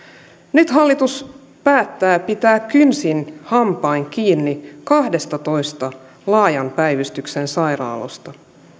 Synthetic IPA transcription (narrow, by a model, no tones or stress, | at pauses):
nyt̪ɦɑlːit̪us | pæːt̪ːæːpit̪æːkkːynsinhɑmpɑiŋk̟iːnːikɑhde̞st̪ɑt̪o̞jst̪ɑ | lɑːjɑnpæjʋyst̪yksensɑjɾɑ̰ːlo̰st̪ɑ